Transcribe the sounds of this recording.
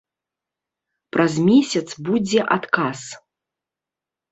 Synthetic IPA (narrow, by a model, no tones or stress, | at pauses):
pɾʔazmʲesʲɐt̪sbud͡zʲɛʔat̪kas